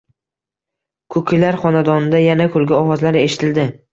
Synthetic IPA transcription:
kʰɵkʰʲɪlaɾχɒnad̪ɒnɪd̪ajanakʲʰɵlɡʲɪɒwɒzlaɾe̞ʃɪ̥t̪ʰɪld̪ɪ

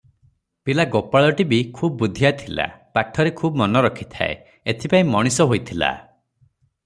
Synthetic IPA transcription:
pilaɡopaɭɔʈibikʰubɔbud̪ʱijat̪ʰila̰paʈʰɔɾekʰubɔmɔnɔɾɔkʰi̥t̪ʰa̰ḛ | et̪ʰipaĩmɔɽ̃isɔɦojt̪ʰila̰

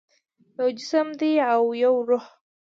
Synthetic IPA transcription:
jawd͡ʒɪsəmd̪iawjawɾʊh

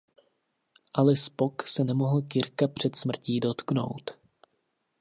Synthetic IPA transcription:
ʔalɛspoksɛnɛmo̞ɦl̩kɪɾkapr̝̥ɛt̪smr̩ciːdo̞t̪kno̞̰wt̪

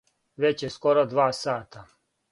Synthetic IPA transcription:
ʋet͡ɕjeskoɾod̪ʋaːsaːt̪ʰa

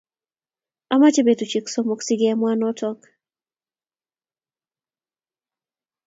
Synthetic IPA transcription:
amat͡ʃebetut͡ʃiksomoksiɡɪamwanɔtɔk

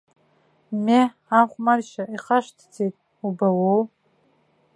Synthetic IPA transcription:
me | aχʷmarʃaiχaʃtʰd͡zejtʼ | ubawow

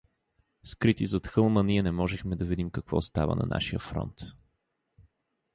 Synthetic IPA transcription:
skɾit̪izɐt̪xɤlˠməniɛnɛmɔʒɛxmɛd̪ɐvid̪imkɐkvɔ̰st̪a̰və̰nɐ̰na̰ʃijə̰fɾɔ̰nt̪

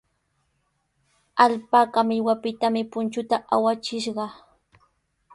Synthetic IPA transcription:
aʎpakamɪwapɪt̪amɪpʊnt͡ʃʊt̪aʔawat͡ʃɪʃɢɑ

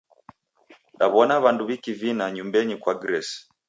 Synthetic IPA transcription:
ɗaβɔnaβanduβikivinaɲumbɛɲikwaɡɾɛsi̥

